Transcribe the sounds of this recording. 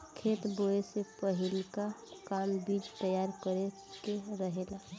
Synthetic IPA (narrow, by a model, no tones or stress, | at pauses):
kʰet̪boesepəɦɪlkakambiːd͡ʒt̪əjaɾkəɾe | keɾəɦeːla